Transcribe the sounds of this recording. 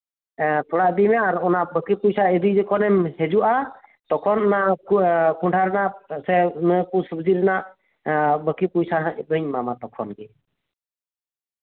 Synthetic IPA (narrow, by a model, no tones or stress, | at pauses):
t̪ʰɔɽaʔd̪imɛaɾɔnaʔbəkipujsaɛd̪ujd͡ʒɛkɔnɛmhɛd͡ʒuʔat̪ɔkʰɔnɔna | kʰuɳʈʰaɾɛnaʔsɛnəkusubd͡ʒiɾɛnaʔ | bəkipujsaɦãʔd̪ɔɲmamat̪ɔkʰɔ̰nɡɛ